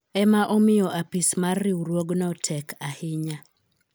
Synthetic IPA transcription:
ɛmaʔɔmɪjɔʔapismarːɪuɾwoɡnɔtʰɛkʰahɪɲa

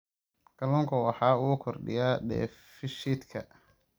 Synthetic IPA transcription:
ɡ̥ɐlɔːŋkʰɐwɑħɑːʊʊkʰɔrɖɪ̰jaɖɛ̰ːfɪʃid̪kʰɐ̰

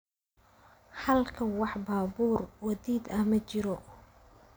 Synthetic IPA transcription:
hɐlkʰɐwɑħbaːbuːrwɐðiːd̪ɐmɐt͡ʃɪɾɔ

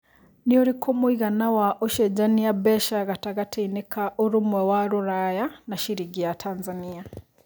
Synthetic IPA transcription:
nioɾikʰomuiɣanawaʔoʃeɟaniabɛʃaɣataɣatʰiinekaʔoɾumwewaɾuɾajanaʃiɾiɡijatʰanzania

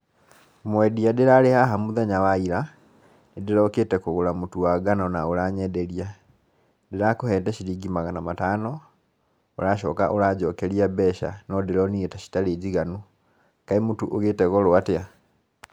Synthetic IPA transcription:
mwediadiɾalehaɦamuðaɲawaiɾa | nidiɾoketekuɣulamutuaɡanonaulaɲedelia | diɾakuheːteʃiɾiɡimaɣanamataːno | ulaʃoːka̰ʔolaɟokeliabɛʃa̰nodiɾonietaʃi̥taleɟiɣanu | kaimutuʔoɣeteɣoloatea

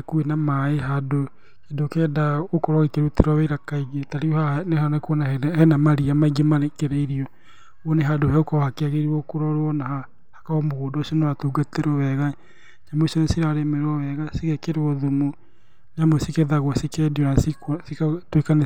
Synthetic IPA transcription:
kuenamaeɦado | kedokɛːdaokɔɾwɔɣekeɾuteɾɔβeiɾakaiɣetaɾiohanehanekɔnahɛnamaɾiamaiɡemaekeɾeiɾiɔ | ɔneɦadohɛokɔhakeaɣeɾiɔkoɾɔɾɔnaha | hḁkaɔmoɣoːdɔːsiɔnewatuːɡateɾɔwɛɣa | ɲamosɔnesiɾaɾemeɾɔɛɣasiɣɛkeɾeɔðomo | ɲamosikeðaɣwɔsikɛdiɔnassikatwekane

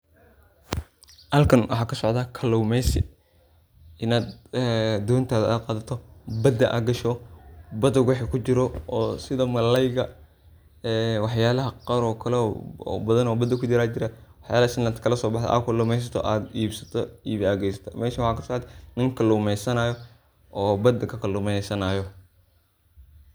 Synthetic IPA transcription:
hɐlkʰɐnwʔɑħɑːkʰɐsɔʕd̪akʰɐlɔwmɛjsɪ̰ | ɪnaːd̪ | d̪ɔːnt̪ʰaːðaːd̪̚qɑːðɐt̪ʰɔbɐd̪ːɐʔa̰ɡɐʃɔbɐd̪ɔɡwɑħɛkʰʊt͡ʃɪɾɔɔːsɪðɐmɐlɐjɣɐ | ɛːwɑħjaːlɐɦɐqɐɾɔːkʰɐlɛ̰bɐðɐnɔːbɐd̪ɐkʰʊt͡ʃɪɾaːt͡ʃɪɾawɑħjaːlɐhɐʃɪnlant̪kʰɐlɐsɔːbɑħd̪̰ʔa̰ːkʰɐlʊːmɛjs̬ɐt̪ʰɔ̰ʔaːd̪iːbsɐ̥t̪ʰɔiːβaːɣɛjsɐ̥t̪ʰɐ̰mɛːʃɐwɑħɑːkʰɐsɔʕt̪ʰnɪŋkʰɐlʊmɛjsɐnaːjɔ | ʔɔːbɐd̪ːɐkʰɐkʰɐlʊmɛjsɐnaːjɔ

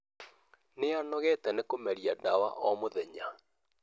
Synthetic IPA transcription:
neanɔɣɛtɛnekomɛɾiadawa̰ʔɔmoðɛɲa

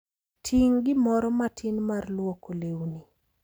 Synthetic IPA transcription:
tʰiŋɡɪmɔɾɔmatʰinmarlwɔkolewni

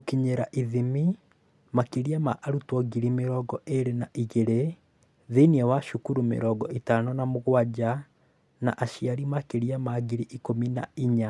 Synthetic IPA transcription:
okiɲeɾaʔiðimi | makeɾiamaʔaɾutwɔɡiɾimeɾɔːɡɔʔeɾenaʔiɣeɾe | ðeniɛwaʃukuɾumḛɾɔːɡɔʔitanɔnamoɣwad͡ʑa | na̰ʔaʃiaɾimakeɾiamaɣiɾiʔikomina̰iɲa

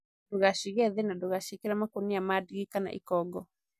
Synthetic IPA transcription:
doɣaʃiɣɛðɛnadoɣaʃikeɾamakoniamadiɣikana̰ʔḭkɔɡɔ

